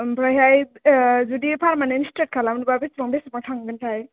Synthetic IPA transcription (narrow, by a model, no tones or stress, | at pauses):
pɾaɦjajzudipʰaɾmanenstɾet̚kʰalamnbabesɾɔŋbesmatʰaŋɡɯntʰaj